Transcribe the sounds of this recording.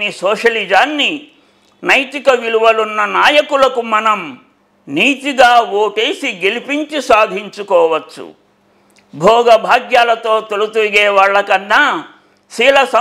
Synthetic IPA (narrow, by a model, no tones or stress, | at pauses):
nisɔːʃɐlid͡ʒaːnːi | nɐjt̪ikɐʋiɭuʋɐlunːɐnaːjɐkulɐkumɐnɐm | niːt̪iɡaːwoːʈeːsiɡelipiɲt͡ʃusaːd̪ʱiɲt͡ʃukɔːʋɐt͡ʃːṵ | bʱɔːɡɐbʱaːɡjaːlɐt̪oːt̪eɭut̪uʋiɡeːʋɐɭːɐkɐnːɐ | siːlɐsɐ